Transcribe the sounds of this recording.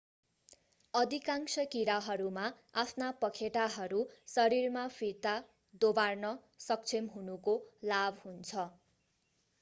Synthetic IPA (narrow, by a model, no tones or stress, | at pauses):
ʌd̪ʱikaŋsʌkiɾaɦʌɾuma | apʰnapʌkʰeʈaɦʌɾusʌɾirmapʰiɾt̪a | d̪obarnʌ | sʌk̚t͡sʰemɦunukolabhunt͡sʰʌ